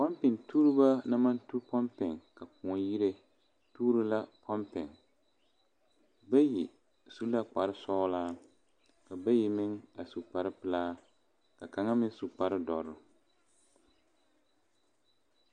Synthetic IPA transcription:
pɔ˦mpɪ˨ŋtʰuː˦ɾɨ˦ba˦na˦ma˦ntu˦pɔ˦mpɪ˨ŋka˨k̚ũ˨ɔ˨ji˦ɾe˦ | tuː˦ɾɨ˦la˦pʰɔ˦mpɪ˨ŋ | ba˦ji˨ | su˦la˦k͡pa˨ɾɪ˦sɔː˦laː˦ | ka˨ba˦ji˨mɪ˦ŋa˨su˨k͡pa˨ɾɪ˦pɨ˨laː˦ | ka˨ka˨ŋa˦mɪ˦n˦su˨k͡pa˨ɾɪ˦dɔ˨ɾʊ˨

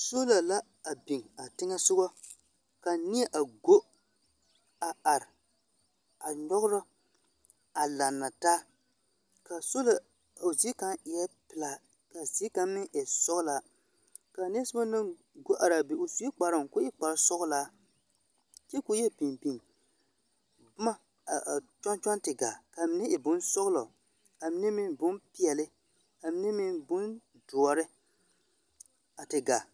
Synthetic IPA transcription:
so˦la˨la˦ | a˨bi˨ŋa˨tɪ˦ŋa˦sʊ˦ɡɔ˦ | ka˨nɪ˦ɛ˦ʔa˨ɡo˦ | a˨a˨ɾɪ˨ | a˨ɲɔ˦ɣʊ˦ɾɔ˦ | a˨la˨nːa˨taː˦ | ka˨so˦la˨ | o˨zi˦ka˦ŋɪ˨jɛ˦pɪ˨la˨ | ka˨ziː˦ka˦mmɪ˦ʔɛ˨sɔ˦ɣʊ˦la˨ | ka˨ni˦sʊ˦ba˦nɨ˦ŋ | ɡo˦ʔa˨ɾa˨be˨o˨su˦e˦k͡pa˨ɾa˨ŋkʊ˦ɪ˦k͡pa˨ɾsɔ˦ɣʊ˦la˦ | t͡ʃɛ˦kʊ˦jɛ˦pi˨npi˨ŋ | bʊ˦ma˦ | a˨t͡ʃa˦n˦t͡ʃa˦ntɪ˨ɡa̰˨ka˨mɪ˨˦nɛ˦ʔɪ˨bʊ˦nsɔ˦ɣlɔ˨ | a˨mɪ˦ne˦mɪ˦bʊ˦npi˨ɛ˨lɪ˦ | a˨mɪ˦ne˦mɪ˦bʊ˦n | dʊ˨ɔ˨ɾɪ˦ | a˨tɪ˨ɡa˨

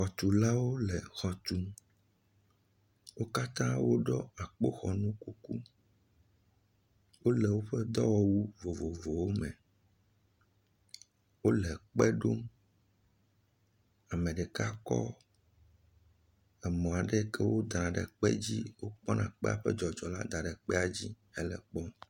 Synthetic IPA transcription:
xɔ˨t̪u˨la˦wo˦lɛ˨xɔ˨t̪u˨ | wo˦ka˦t̪ã˦wo˦ɖɔ˦a˨k͡po˦xɔ˨nũ˦ku˦ku˦ | wo˦lɛ˨wo˦ɸɛ˦d̪ɔ˦wɔ˦wu˦vo˨vo˨vo˨wo˦mɛ̰̃˨ | wo˦lɛ˨k͡pɛ˦ɖo˦m | a˨mɛ̃˨ɖɛ˨ka˦kɔ̰˦ | ɛ˨mɔ̃˨a˨ɖɛ˦kɛ˦wo˦d̪ɾã˨ɖɛ̰˨k͡pɛ˦d͡ʑi˦wo˦k͡pɔ˦nʔã˨k͡pɛ˦a̰˨ɸɛ˦d͡ʒɔ˨d͡ʒɔ˨la̰˦d̪a˨ɖɛ˨k͡pɛ˦a˨d͡ʑi˦ | ɛ˦lɛ˨k͡pɔ˦

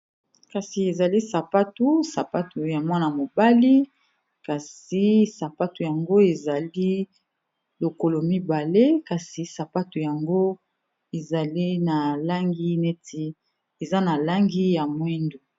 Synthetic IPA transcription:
ka˨si˨e˨za˨li˦sa˨pa˦tu˦sa˨pa˦tu˨ja˨mwa˦na˨mo˨ba˦li˦ | ka˨si˨sa˨pa˦tu˨ja˨ŋɡo˦e˨za˨li˦ | lo˨ko˨lo˨mi˦ba˨le˦ka˨si˨sa˨pa˦tu˨ja˨ŋɡo˦ | e˨za˨li˦na˨la˦ŋɡi˦ne˦tʰi˦ | e˨za˦na˨la˦ŋɡi˦ja˨mwe˦ndu˨

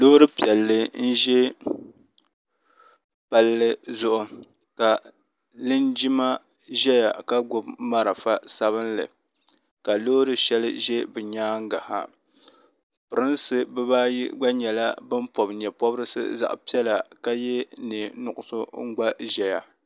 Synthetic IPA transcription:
lo˦ɾɨ˦pi˨ɛ˨lːɨ˦n̩˦ʒɛ˦ | pa˨lːɨ˦zʊ˦ʔʊ˦ | ka˨ | lɨ˦nd͡ʒi˦ma˦ | ʒɛ˦ja˨ka˦ɡʊ˦bma˦ɾa˨fa˦sa˦βɨ˦nlɨ̰˨ | ka˨loː˦ɾɨ˦ʃɛ˦lɨ˦ʒɛ˦bɨ˨ɲaː˦ŋ̩˦ɡa˨ha̰˨ | pɨ˨ɾɨ˦nsɨ˦bɨ˦baː˦jḭ˦ɡ͡ba˦ɲɛ˨la˦bɨ˦mpo˨bɲɛ˨pɔ˦bɾɨ˦sɨ̰˦za̰˨ʔpi˦ɛ˦la˨ka˦jɛ˦nɨ˨nʊ˨ʔʊ˨sʊ˦ŋ̩˦ɡ͡ba˦ʒɛ˦ja˨

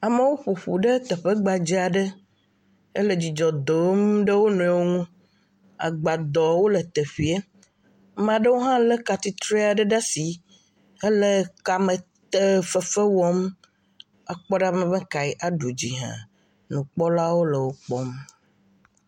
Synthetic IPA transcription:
a˨mə˦wo˦ɸo˨ɸu˨ɖə˦t̪ə˨ɸə˦ɡ͡ba˨d͡ʑi˦a˨ɖə˦ | ə˦lə˨d͡ʑi˨d͡ʒɔ˨d̪o˨˦mɖə˦wo˦nũ˨˦e˨wo˦ŋũ˦ | a̰˨ɡ͡ba˨d̪ɔ˨wo˦lə˨t̪ə˨ɸi˨e˦ | mã˨ɖə˦wo˦ɦã˦lə˦ka˨t̪i˦t̪ɾe˦a˨ɖə˦ɖa˦si˨ | e˦lə˨ka˨mə˨ | t̪ə˦fə˦fə˦wɔ˦m | a˨k͡pɔ˦ɖa˦mə̃˨və̃˦ka˨i˦ʔa˨ɖu˨d͡ʑḭ˨ɦã̰˨ | nũ˨k͡pɔ˦la˦wo˦lə˨wo˦k͡pɔ˦m

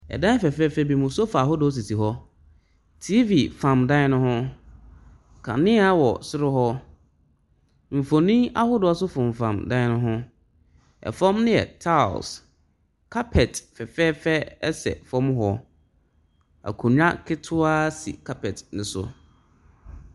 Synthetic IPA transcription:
ɛ̰˨dã˦fɛ˨fɛː˦fɛ˦bi˨mũ˨sɔ˦fa˨a˨ɦʊ˦dʊ˨ɔ˦s̬i˨si˨ɦɔ˦ | tʰi˦vi˨fã˨mdã˦ɪ˦nʊ̃˦hʊ̃˦ | kʰa̰˨nɪ̃˦a˦wɔ˨sɪ˦ɾʊ˦ɦɔ˦ | m̩˨fõ˨nĩ˦a̰˦hʊ˦dʊ˨ɔ˦sʊ˦fʊ̃˨m˨fã̰˨mdã˦ɪ˦nʊ̃˦ɦʊ̃˦ | ɛ̰˨fɔ̃˦mnɪ̃˦ɛ̰˨tʰa̰˦˨s | kʰa˦pʰɛ˨tfɛ˨fɛ˦fɛ˦ɛ˦sɛ̰˨fɔ̃˦m˦ɦɔ˦ | a̰˨kʰũ˨ɲᶣã˦kʰɪ˦tʰʊ˦a˦sḭ˨kʰa˦pʰɛ˨tnɪ̃˨sʊ̰˨

